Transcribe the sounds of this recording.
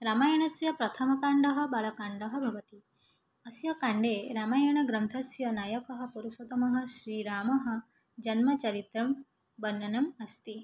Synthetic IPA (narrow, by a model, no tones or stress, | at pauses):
ɾaːmaːjɐɳɐsjɐpɾɐt̪ʰɐmɐkaːɳɖɐɦɐ̆bɐɭɐkaːɳɖɐɦɐ̆bʱɐʋɐt̪i | ɐsjɐkaːɳɖeːɾaːmaːjɐɳ̃ɐɡɾɐnt̪ʰɐsjɐnaːjɐkɐɦɐ̆puɾuʃɐt̪ɐmɐɦɐ̆ʃɾiːɾaːmɐɦɐ̆ | d͡ʒɐnmɐt͡ʃɐɾit̪ɾɐm | bɐnːɐnɐmɐst̪i